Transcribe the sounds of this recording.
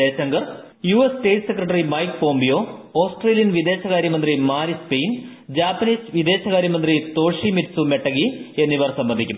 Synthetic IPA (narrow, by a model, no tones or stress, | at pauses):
eːɕɐŋɡɐr | juːesʈe̞ːʈːsekrɐʈ̬ːɐrimɐjkpo̞ːmbijo̞ːoːsʈreːlijɐnʋid̪e̞ːɕɐɣaːɾjɐmɐnd̪rimaːɾispejn | d͡ʑaːpːɐniːsʋid̪e̞ːɕɐɣaːɾjɐmɐnd̪rit̪o̞ːʂimiɾsume̞ʈːɐɣie̞nːiʋɐrsɐmbɐnd̪ʱikʲːum